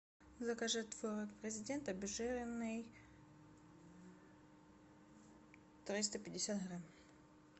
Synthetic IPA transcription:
zɐkaʐɨt̪ːvoɾokpɾʲɪzʲɪdʲent̪ɐbʲɪʐɛɾʲɪnːɨj | t̪ɾʲist̪əpʲɪdʲɪsʲat̪ɦɾam

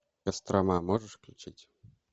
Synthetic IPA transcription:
kɐst̪ɾamamoʐɨʂklʲʊt͡ɕitʲ

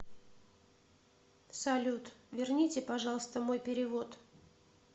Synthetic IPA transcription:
sɐlʲut̪vʲɪrnʲitʲɪpɐʐɑlˠəst̪əmo̞jpʲɪɾʲɪvo̞t̪

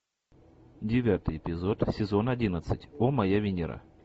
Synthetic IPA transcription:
dʲɪvʲat̪ɨjɪpʲɪzo̞t̪sʲɪzo̞nɐdʲinət̪sɨtʲomɐjavʲɪnʲɪɾa̰

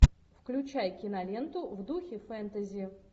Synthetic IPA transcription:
fklʲʉt͡ɕæjkʲɪnɐlʲe̞nt̪ʊvd̪uxʲɪfɛnt̪əzʲɪɪ

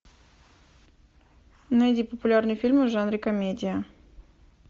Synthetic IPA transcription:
nɐjdʲipəpʊlʲarnɨjʊfʲilʲmʊʐanɾʲɪkɐmʲedʲɪjə

